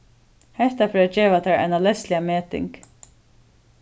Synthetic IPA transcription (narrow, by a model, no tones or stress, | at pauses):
hɛht̪afɛɾad͡ʒeːʋat̪ʰaɾa̰jnalɛst̪lɪameːt̪ɪ̰ŋk